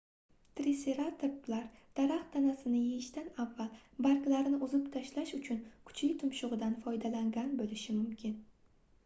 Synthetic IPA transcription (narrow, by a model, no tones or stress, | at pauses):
t̪ɾiseɾat̪ʰɪplaɾd̪̥aɾaχt̪ʰanasɪnɪjeɪʃt̪anavːalbaɾkʲlaɾɪnɪʔʊzɪpt̪ʰaʃlaʃʊt͡ʃʰʊnkʰʊ̥t͡ʃʰlɪt̪ʰʊmʃʊʁɨd̪anfɒjd̪alaŋɡʲanbolɪʃɪmʊmkʲʰɪn